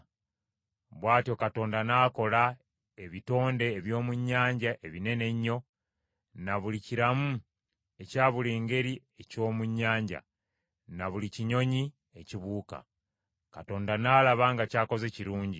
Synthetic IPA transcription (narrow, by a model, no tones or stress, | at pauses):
βwaːtio̞kato̞ːndanaːko̞la | e̞βito̞ːnde̞ːβjo̞ːmuɲːaːɲɟaʔe̞βine̞ne̞ɲːo̞ | naβuliciɾamu | e̞caːβuliːŋɡe̞ɾi | e̞co̞ːmuɲːaːɲɟa̰ | naβuliciɲo̞ɲi | eciβuːka̰ | kato̞ːndanaːlaβaŋɡacaːko̞ze̞ciɾuːɲɟi